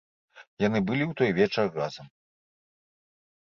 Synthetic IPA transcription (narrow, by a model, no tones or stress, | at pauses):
janɨbɨlʲiwt̪ɔjvʲɛt͡ʂɐrrazɐm